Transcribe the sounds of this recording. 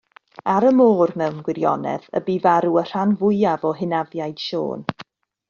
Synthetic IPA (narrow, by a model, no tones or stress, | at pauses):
aɾəmoːrnɛwnɡwɪɾjɔ̰nɛ̰ðə̰biːvaɾuər̥anvʊɨavɔɦɪnavjajd̥ʃo̰ːn